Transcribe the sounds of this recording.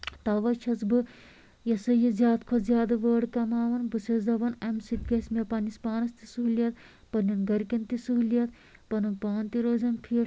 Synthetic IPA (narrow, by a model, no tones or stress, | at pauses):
t̪ɐʋɐt͡ʃʰɐzbɨ | jɐsɨjizʲjaːt̪kʰozʲjaːd̪ɐʋəːɖkɐmaːʋɐnbɨsɐzɐʋɐnɐmʲsit̪̚ɡʲɐsʲmʲepɐnispaːnɐst̪isuɦulijɐt̪̚ | pɐnʲɐnɡɐɾkint̪isuɦulijɐt̪̚ | pɐnɐnpaːnt̪iɾoːzɐnpʰiː